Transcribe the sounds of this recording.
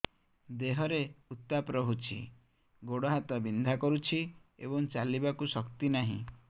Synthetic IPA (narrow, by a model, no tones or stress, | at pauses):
d̪eɦɔɾeut̪ːapɾɔɦut͡ʃʰḭ | ɡoɽɔɦat̪ɔbind̪ʱakɔɾut͡ʃʰiḛbɔŋt͡ʃalibakusɔkt̪inaɦḭ̃